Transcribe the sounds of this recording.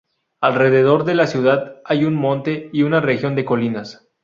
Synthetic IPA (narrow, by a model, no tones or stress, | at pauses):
alre̞ðe̞ð̞o̞ɾðe̞lasjuð̞aðajunmõ̞nt̪e̞iunare̞xjo̞nd̪e̞ko̞linas